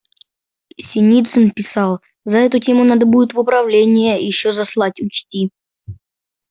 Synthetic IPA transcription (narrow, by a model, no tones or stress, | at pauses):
sʲɪnʲit̪sənpʲɪsɑlˠ | zɐɛt̪ʊtʲe̞mʊnad̪əbudʲɪt̪vʊpɾɐvlʲenʲɪjəjɪɕːozɐslˠatʲʊt͡ɕtʲi